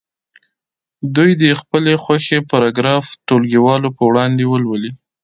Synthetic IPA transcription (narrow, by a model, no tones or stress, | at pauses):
d̪ujd̪əxpəlexwaxepaɾɑɡɾɑfʈolɡiwɑlopəwɽɑnd̪ewəlwəli